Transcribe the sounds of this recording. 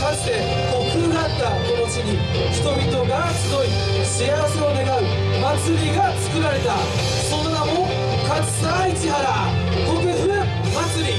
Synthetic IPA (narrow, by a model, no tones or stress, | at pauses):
kḁt̪e | kokɯ̟ːɡ̪at̪ːako̞nosɨɲi | ç̥t̪o̞mʲit̪o̞ɡasɨd̪o̞i | ɕiaseone̞ɡaɯ̟ | mat͡sɨɾʲiɡat͡sɨ̥kɯ̟ɾaɾe̞t̪a | sõ̞nnaɦõ | kat͡sɨ̥sait͡ɕiɦaɾa | ɡ̪okɯɸɯ̟ | mat͡sɨɾʲi